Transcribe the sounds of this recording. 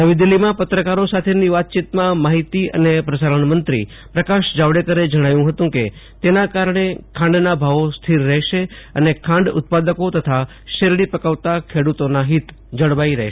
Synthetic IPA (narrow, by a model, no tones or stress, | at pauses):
d̪əʋid̪ilːimãpət̪ɾəkaɾosat̪ʰeniʋat̪̚t͡ʃit̪mãmaɦit̪iə̰nepɾəsaɾəɳmənt̪ɾḭ | pɾəkaʃd͡ʒaʋɽekəɾed͡ʒəɽ̃ajũɦət̪ũke | t̪enakaɾɳ̃ekʰãɳɖnabʱaʋost̪ʰiɾːɛɦʃeənekʰãɳɖʊ̰t̪̚pad̪əkot̪ət̪ʰa | ʃeɾɽipəkaʋt̪akʰeɽut̪onaɦit̪ | d͡ʒəɽʋaiɾɛ̰ɦʃ